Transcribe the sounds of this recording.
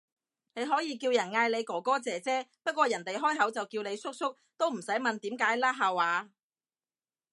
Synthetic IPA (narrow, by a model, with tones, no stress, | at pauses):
ne˨˧jɦɔː˨˥jiː˨˧kiː˧wjɐ˨˩nŋaː˧jle˨˧jkɔː˨˩kɔː˥t͡sɛː˨˧t͡sɛː˥pɐ˥t̚kʷɔː˧jɐ˨˩nt̪e˨jɦɔː˥jɦɐ˨˥wt͡sɐ˨wkiː˧wne˨˧jsʊ˥k̚sʊ˥k̚t̪o˥wm̩˨˩sɐ˨˥jmɐ˨nt̪iː˨˥mkaː˨˥jlaː˥ɦaː˨waː˨˧